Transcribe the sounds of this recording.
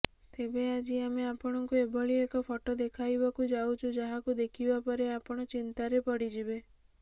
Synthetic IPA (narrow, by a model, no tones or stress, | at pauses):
t̪ebead͡ʒiameapɔɽ̃ɔŋkuebʱɔɭiekɔpʰɔʈɔd̪ekʰajbɔkud͡ʒawt͡ʃʰud͡ʒaɦakud̪ekʰibapɔɾeapɔɽ̃ɔt͡ʃint̪aɾepɔɽid͡ʒibe